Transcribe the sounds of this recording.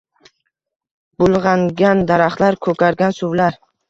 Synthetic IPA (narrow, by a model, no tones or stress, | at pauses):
b̥ʊlˠʁɑŋɡʲand̪aɾaχlaɾkʰɵkʰʲaɾɡʲansʊvlaɾ